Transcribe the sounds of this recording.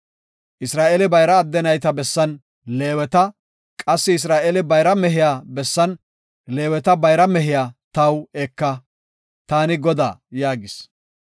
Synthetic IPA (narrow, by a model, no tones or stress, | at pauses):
ʔɪsɾaːʔelɪbɐjɾɐːd̪ːɛnɐjt̪ɐbɛsːɐn | le̞ːwɛt̪ɐ | kʼɐsːɪːs̬ɾaːʔelɪbɐjɾɐmɛɦɪjaːbɛsːɐn | le̞ːwɛt̪ɐbɐjɾɐmɛɦɪjaːt̪ɐwɛkːɐ | t̪aːnɪɡɔd̪a̰ːjaːɡɪs